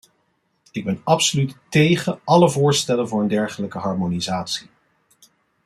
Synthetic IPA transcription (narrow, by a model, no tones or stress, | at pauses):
ɪɡ̚bɛnɑpsolyttejχəɑləvʊːɹstɛlənvʊːɹəndɛɹχələkəɦɑɹmonizaːtsi̥